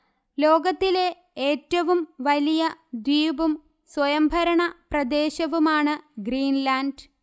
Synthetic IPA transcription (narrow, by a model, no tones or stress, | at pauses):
lo̞ːɡɐt̪ːile̞ | eːtːɐʋumʋɐlijɐd̪wiːbum | swɐjɐmbʱɐɾɐɳɐprɐd̪e̞ːɕɐʋumaːɳɨɡɾiːnlaːnɖ